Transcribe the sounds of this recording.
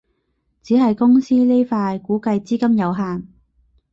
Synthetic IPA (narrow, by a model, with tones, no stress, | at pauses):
t͡siː˨˥ɦɐ˨jkʊ˥ŋsiː˥le˥jfaː˧jkuː˨˥kɐ˧jt͡siː˥kɐ˥mjɐ˨˧wɦaː˨n